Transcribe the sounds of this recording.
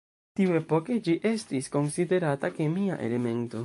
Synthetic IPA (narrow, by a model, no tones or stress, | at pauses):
t̪iuepoked͡ʒiʔest̪isko̞nsid̪e̞ɾat̪akemia̰ʔḛleme̞nt̪o